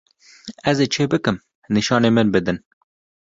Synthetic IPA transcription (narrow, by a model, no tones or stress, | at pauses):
ɛzeːt͡ʃʰeːbɨkɨm | niʃɑːneːmɨnbɨd̪ɨn